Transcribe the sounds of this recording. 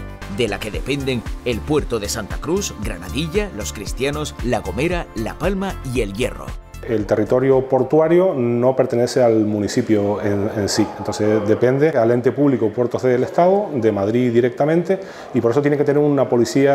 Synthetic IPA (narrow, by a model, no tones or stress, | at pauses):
d̪ela̰ke̞ðe̞pe̞nd̪e̞ŋe̞lpwe̞ɾt̪oðe̞sant̪akɾusɡɾa̰naðiʎalo̞skɾist̪jano̞slaɣo̞me̞ɾala̰palmaie̞lje̞̰ro̰ | e̞lt̪e̞rit̪o̞ɾjopo̞ɾt̪waɾjono̞pe̞ɾt̪ene̞sealmũnisipjoenensient̪onsed̪e̞pe̞nd̪eale̞nt̪e̞puβlikopwe̞ɾt̪oɦðelest̪aðod̪e̞maðɾiðiɾek̚t̪amẽnt̪e̞ | ipoɾes̬ot̪jeneket̪eneɾunapo̞lisia